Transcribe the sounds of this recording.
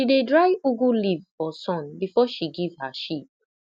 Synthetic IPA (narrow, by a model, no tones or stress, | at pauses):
idedɹaɪuɡulivɔsɔ̃nbifɔʃiɡivhaʃip̚